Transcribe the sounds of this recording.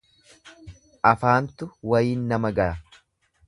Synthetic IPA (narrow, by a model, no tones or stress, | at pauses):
ʔɐfaːnt̪ʊwɐjiːnːɐmɐɡɐɾɐ